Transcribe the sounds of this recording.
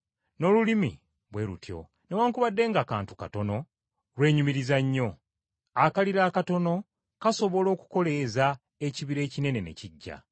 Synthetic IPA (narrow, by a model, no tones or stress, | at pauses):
no̞lulimḭ | βwe̞ɾṵtʰjo̞̰ | newaːŋkuβadːe̞ːŋɡaːkaːntu̥kato̞no̞ | lwe̞ːɲumiɾizaɲːo̞ | akaliɾaːkato̞no̞ | kaso̞βo̞lo̞ːku̥ko̞le̞za | e̞ciβiɾe̞ːcine̞ne̞ne̞̰ciɟːa̰